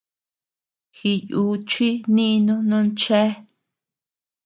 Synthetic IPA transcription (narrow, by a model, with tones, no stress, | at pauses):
xi˧ju˧˦t͡ʃi˦nĩ˦˧nũ˦nũ˦nt͡ʃe˦